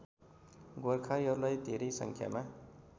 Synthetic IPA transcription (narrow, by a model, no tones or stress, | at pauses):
ɡorkʰajʌɾulajt̪eɾisʌ̰ŋkʰja̰ma